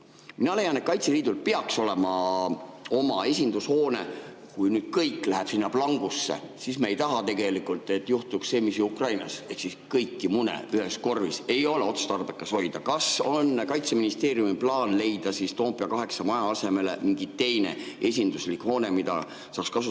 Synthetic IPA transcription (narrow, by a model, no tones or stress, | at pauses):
minɑle̞jɑne̞t̪̚kɑjt̪seliːd̪̥ulpeɑkso̞le̞mɑ | o̞mɑe̞sʲind̪usho̞ːne̞ | kujnyːd̪̥̚kɤjkːˑlæɦeb̥sinːɑplɑŋɡ̥usːe̞̰sismeejt̪ɑɦɑt̪e̞ɡe̞likult̪ːˑe̞t̪ːˑjuht̪uksse̞ːmisjuukrɑjnɑseksiskɤjkːimunḛyɦe̞sko̞rvise̞jo̞leo̞t̪su̥st̪ɑrb̥ekːˑɑsho̞jd̪̥ɑkɑso̞nːkɑjt̪seminist̪e̞ːɾjumiplɑːnle̞jd̪̥ɑsist̪o̞ːmpiɑkɑɦe̞ksɑmɑjɑɑse̞me̞le̞̰miŋɡit̪e̞jne̞̰ | e̞sʲind̪̥uslikho̞ːne̞mid̪ɑ̰ | sɑːkskɑsu